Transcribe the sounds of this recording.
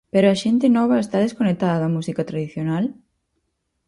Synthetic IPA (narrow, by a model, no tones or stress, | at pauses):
peɾoɐʃent̪enɔβɐest̪aðeskonek̚t̪aðɐðɐmusikat̪ɾaðiθjonal